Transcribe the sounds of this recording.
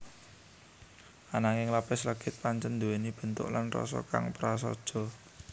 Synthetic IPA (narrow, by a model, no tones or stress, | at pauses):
anaŋɪŋlapɪsləɡ̥ɪt̪̚paɲt͡ʃənd̪uwenib̥ə̤nt̪ʊ̰ʔlanrɔ̰sɔ̰ka̰ŋpəɾas̬ɔ̰d̥ʒ̥ɔ̤